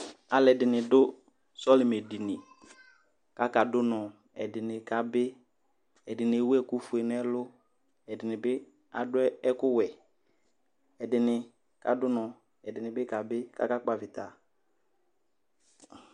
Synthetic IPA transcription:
a˨lɛ˨dɪ˨nɪ˨dʊ˦ | sɔ˦lɪ˨me˨di˨nɪ˨ | ka˦ka˨dʊ˦nɔ˨ | ɛ̰˨dɪ˨nɪ˨ka˨bɪ˦ | ɛ˨dɪ˨nɪ˨e˨wu˦ɛ˦kʊ˦fʊ˨ɛ˨nɛ˦lʊ˦ | ɛ˨dɪ˨nɪ˨bɪ˦ | a̰˨dʊ˦ɛ˦ɛ˦kʊ˦wɛ˨ | ɛ˨dɪ˨nɪ˨ | ka˨dʊ˦nɔ˨ | ɛ˨dɪ˨nɪ˨bɪ˦ka˨bɪ˦ka̰˦ka˦k͡pa˨vɪ˨ta̰˨

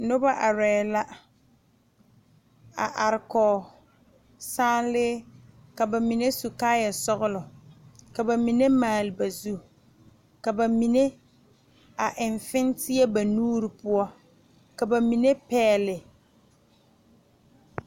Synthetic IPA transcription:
nʊ˦ba˦ʔa˨ɾɛː˨la˦ | a̰˨ʔa˨ɾɪ˨kɔː˨ | saː˦nlɪː˦ | ka˨ba˨mi˨ne˦su˨kaː˦ja˨sɔ˦ɣʊ˦lʊ˨ka˨ba˨mi˨ne˦maː˨lɪ˨ba˨zu˦ | ka˨ba˨mi˨ne˦ | a˨ʔɪ˨ɱfɪ˦ntɪ˦ɛ˦ba˨nuː˦ɾi˨pʊ˦ɔ˦ | ka˨ba˨mi˨ne˦pɛː˦lɪ˨

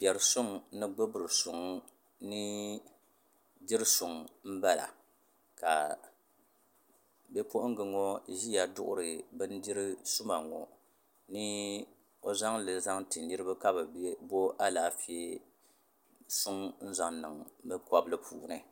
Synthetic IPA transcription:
pɛ˨ɾɨ˨sʊ˦ŋ˨nɨ˦ɡ͡bɨ˦bɨ˨ɾɨ˨sʊ˨ŋ | nɨ˦ | di˦ɾɨ˦sʊ˨ŋm̩˦ba˦la̰˨ | ka˨ | bɛ˦po˦ʔŋ̩˦ɡɨ˨ŋɔ˦ʒi˦ja˨dʊ˦ʔʊ̰˦ɾɨ˨bɨ˦n˦di˦ɾɨ˦sʊ˦ma˨ŋɔ̰˨ | nɨ˦ | o˦za˦ŋlɨ˨za˦ŋtɨ˨nnɨ˦ɾɨ˦bɨ˦ka˦bɨ˨˦bo˦ʔa˦laː˨˦fi˦e˦ | sʊ˦ŋn̩˦za˨ŋnɨ˨ŋbɨ˦kɔ˦blɨ˦pʰuː˨nɨ˨

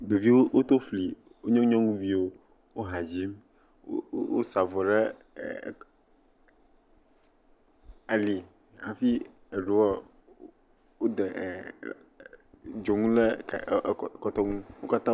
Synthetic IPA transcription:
d̪o˨vi˦wo˦wo˦t̪o˦fli˨ | wo˦ɲɔ̃˦u˦ɲɔ̃˦ŋũ˦vi˦wo˦ | wo˦ɦa˨d͡ʑi˦m | o̰˦wo̰˦sa˨vɔ˨ɖḛ˦˨ | a˨li˨ | a̰˨fi˦ | e˨ɖu˦wa˦ | wo˦d̪ɛ˨ʔ | d͡ʒo˨ŋũ˦le˦˨ | kɔ˨t̪ɔ˦ŋũ˦wo˦ka˦t̪ã˦

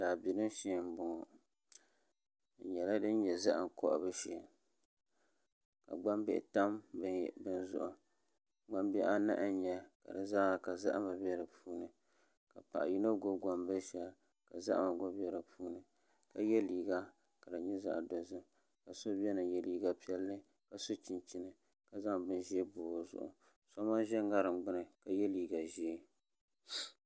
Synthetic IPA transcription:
daː˨bi˨nɨ˦m˦ʃe˨˦˨m˦bʊ˨ŋɔ˨ | ɲɛ˨la˦dɨ˦n˦ɲɛ˨za˦ʔŋ˨kɔ̰˦ʔbɨ˦ʃɛ˨ | ka̰˨ɡ͡ba˦mbɛ̰˦˨ʔta˦mbɨ˦˨bɨ˦n˦zʊ̰˦ʔʊ˨ | ɡ͡ba˦mbɛ˦ʔa˦na̰˦ʔɨ˦ɲɛ˦ka̰˨dɨ˨zaː˦˨ka˨za̰˦ʔma˨bi˦ɛ˦ɾɨ˨pʰuː˦nɨ˨ | ka˨pa̰˨ʔji˦no˦ɡo˦ɡa˨mbɨ˦ʃɛ˨l | ka˨za̰˦ʔma˨ɡo˦bɛ˦ɾɨ˨pʰuː˦nɨ˨ | ka˨jɛ˦liː˨ɡa˦ | ka˨dɨ˨ɲɛ˦za̰˦ʔdo˨zɨ˦ | ka˨so˦bɛ˦nɨ˨jɛ˨liː˦ɡa˦pi˦ɛ˦lːɨ˦ | ka˨so˦t͡ʃi˨nt͡ʃi˨nɨ˨ | ka˨za˦ŋbɨ˦nʒɛ˦bʊː˨zʊ̰˦ʔʊ̰˨ | sa˦ma˦ʒɛ˦ŋ˦ɡa˦ɾɨ˨mɡ͡bɨ˦nɨ˨ka˨jɛ˦liː˨ɡa˨ʒi˦

